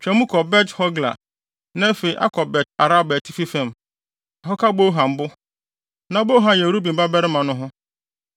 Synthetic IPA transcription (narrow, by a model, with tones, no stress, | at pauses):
t͡ɕᶣɛ˨mũ˦kʰɔ˨bɛ˦thɔ˦ɡla̰˨ | nã˦fe˨i˨ʔa̰˦kʰɔ˨bɛ˨t̚a˨ɾa˦bɛ˨tʰɪ˦fi˦fɛ̃˦˨m | a˨ɦɔ˦kʰa˦bo˦ɦã˨m̩˨bʊ˦ | nã˨˦bo˦ɦã˨jɛ˨ɾu˦bĩ˨m˨ba˦bɛ˦ɾɪ˦mã˨nʊ̃˦ɦʊ̃˦